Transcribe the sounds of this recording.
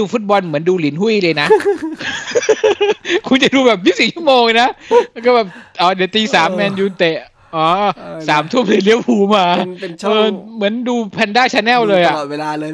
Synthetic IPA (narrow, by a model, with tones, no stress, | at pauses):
uː˧fu˦˥t̪̚bɔ˧nmɯ˩˦ənduː˧li˩˦nhu˥˩˨jlɤː˧jna˦˥ʔ | kʰu˧ŋt͡ɕa˨˩duː˧bɛː˨˩p̚ji˦˥siː˨˦t͡ɕʰu˥˩moː˧ŋ˧jna˦˥kɔː˥˩bɛː˨˩p̚ʔɔː˨˦deː˨˦wt̪iː˧saː˨˩˦mːɛː˧njuː˧t̪e˨˩ | ʔɔː˨˩˦ʔːsaː˩˦mt̪ʰu˥˩əm̚li˧˦nli˦˥əw̚huː˨˩˦maː˧ʔɤː˧mɯ˩˦ənduː˧pʰɛː˧ndaː˥˩t͡ɕʰaː˧nɛː˥˩wlɤː˧jʔa˨˩˨e˧laː˧